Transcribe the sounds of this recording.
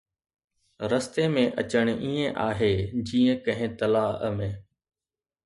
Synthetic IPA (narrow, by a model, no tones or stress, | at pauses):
ɾəst̪emẽʔɐ̰t͡ɕəɽ̃iːẽʔaːɦeːd͡ʑiːə̃kɐ̃ɦɪ̃t̪ɐlaːəmẽː